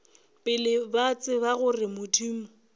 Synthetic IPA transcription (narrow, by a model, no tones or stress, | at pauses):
pʼɪlɪbat͡sʼɪβaɣʊrɪmʊtʰiːmʊ